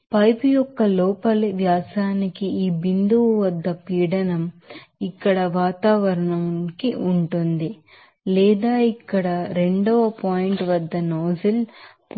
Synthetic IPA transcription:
pɐjpujɔkːɐlɔːpɐlʋjaːsaːnikiiːbind̪uʋuʋɐd̪ːɐpiːɽɐnɐmikːɐɽɐʋaːt̪aːʋɐɾɐɳɐmkiʔuɳʈund̪i | lɛːd̪aːikːɐɽɐɾe̞ɳɖɔʋɐpaːjiɳʈʋɐd̪ːɐnoːzilp

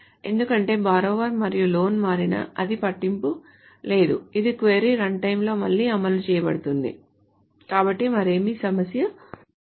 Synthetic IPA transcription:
e̞nd̪ukɐɳʈe̞ːbaːɾoːʋɐɾmɐɾijulo̞ːnmaːɾinɐ̰ɐd̪ipɐʈːimpu | le̞ːd̪uid̪ikʋeːɾiɾɐɳɖʈɐjmlo̞ːmɐɭːiːɐmɐlut͡ʃɛːjɐbɐ̰ɽut̪und̪ḭ | kaːbɐʈːimɐɾe̞ːmiːsɐmɐsjɐ

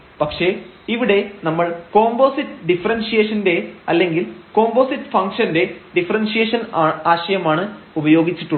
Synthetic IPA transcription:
pɐkʂe̞iʋiɽe̞nɐmːɐɭko̞ːmbo̞ːsitːɖifɐɾɐnsijeːʂɐnde̞ɐlːe̞ŋɡilkoːmbo̞ːsitːɨ̥fɐŋkʂɐnde̞ɖifɐɾɐnsijeːʂɐnːaːɕɐjɐmaːɳɨ | ubɐjo̞ːɡit͡ɕːiʈːuɳ

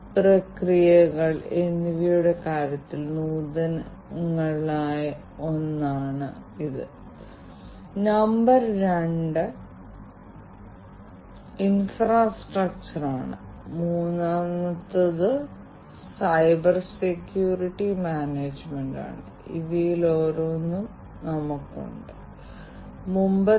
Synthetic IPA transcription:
prɐkrijɐɣɐɭenːiʋijjuɽekaːɾjɐt̪ːilnuːðɐn | ŋːɐɭaːj | o̞nːaːɳɨiðɨ̰ | nɐmbɐrɾeɳɖɨ | infraːsʈrɐk̚t͡ɕɐraːɳɨ̰ | muːnːaːnɐt̪ːɐðɨ | sɐjbɐrsekjuːriʈːimaːneːd͡ʑmeɳɖa̰ːɳɨ̰ | ḭðijiloːɾonːum | nɐmukːṵɳɖɨ | mumbɐ

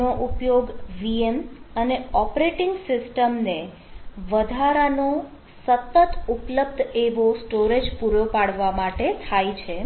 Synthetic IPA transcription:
oʔupjoɡʋieməneɔpɾeʈiŋɡsɪsʈəmne | ʋəd̪ʱaɾano | sət̪ːət̪upləb̚d̪ʱeʋosʈoɾed͡ʒpuɾjopaɽʋamaʈet̪ʰajt͡ʃʰe

